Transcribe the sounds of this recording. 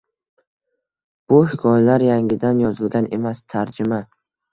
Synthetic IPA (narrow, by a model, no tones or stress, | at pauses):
b̥uhikʰɒjlaɾjaŋɡʲid̪anjɒzɪlɡʲanemast̪ʰaɾd͡ʒɪma